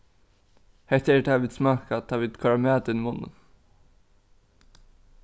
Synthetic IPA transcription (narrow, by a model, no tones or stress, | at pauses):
hɛt̪ɛt̪ʰaːʋiːd̪smɑːkat̪ʰaːʋiːd̪̥kʰɔɹamæːd̪ɪnmʊnə̰n